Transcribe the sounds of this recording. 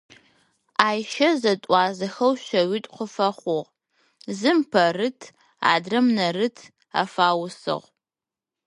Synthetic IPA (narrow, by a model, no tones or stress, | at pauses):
aːjʃɐzɐtʼɑːzɐxɐwɕɐwɪtʼqʷəfɐχʷʊʁ | zɨmpʰɐrɨtʰ | a̰ːdrɐmnɐrɨtʰ | a̰ːfaːwʊsɨ̰ʁ